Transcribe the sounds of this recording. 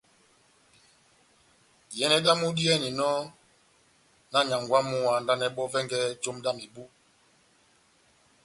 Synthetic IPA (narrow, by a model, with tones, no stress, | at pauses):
jɛ˦nɛ˦da˦mu˦di˦ɛ˦ni˨nɔ˦ | na˦ɲa˨ŋɡwa˦mu˦wa˨nda˦nɛ˦ɓɔ˦vɛ˦ŋɡɛ˦d͡ʒo˦mda˦mi˨bu˦